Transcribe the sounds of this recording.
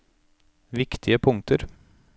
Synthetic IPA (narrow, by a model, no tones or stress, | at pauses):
ʋɪkt̪ʰɪəpʰʊŋt̪ʰəɾ